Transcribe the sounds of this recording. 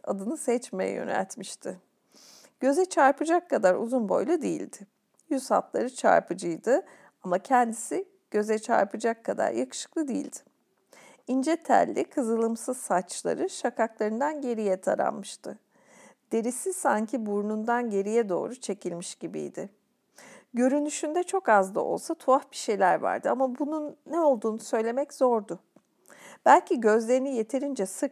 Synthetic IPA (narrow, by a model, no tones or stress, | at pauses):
ad̪ɯnɯsɛt͡ʃmejɛ̰jø̞̰næ̰lʲt̪miʃt̪ʰɪ | ɟ̥øzɛt͡ʃʰaɾpɯd͡ʒakʰːad̪aɾṵzunbo̞̰jlˠud̪ejḭlʲd̪ɪ | jyz̥ha̰t̪lˠaɾɯt͡ʃʰa̰ɾpʰɯd͡ʒɯjd̪ɯ | amacʰɛnd̪isi | ɟ̥ø̞zɛt͡ʃʰa̰ɾpɯd͡ʒakʰːad̪a̰ɾjakʰɯ̥ʃɯ̥k̚lˠɯd̪ejḭlʲd̪̥ɪ̥ | ind͡ʒɛt̪ʰæ̰lʲːikʰɯzɯlˠɯmsɯz̥sat͡ʃlˠa̰ɾɯʃakʰaklˠaɾɯnd̪anɟe̞ɾijɛt̪ʰa̰ɾa̰nmɯʃt̪ʰɯ | d̪̥e̞ɾisisaɲcʰibuɾnund̪anɟe̞ɾijɛd̪o̞̰ːɾut͡ʃʰe̞cʰilʲmiʃɟ̥ibḭjd̪ɪ̰ | ɟø̞ɾynyʃynd̪ɛt͡ʃʰo̞kazd̪a̰o̞̰lˠsat̪ʰuafbiʃe̞jlʲæɾva̰ɾd̪ɯamabununːɛo̞lˠd̪uːnusø̞jlʲe̞mɛczo̞ɾd̪ʊ | b̥ælʲcʰiɟø̞zlʲe̞ɾinije̞t̪ʰe̞ɾind͡ʒɛsɯk